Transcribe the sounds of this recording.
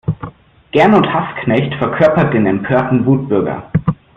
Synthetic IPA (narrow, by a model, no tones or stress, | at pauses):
ɡ̥ɛɐnʊnthasknɛçtfɛɐkʰœɐpɐt̚d̥eːnɛmpʰøːɐtn̩vuːt̚b̥ʏɐɡɐ̰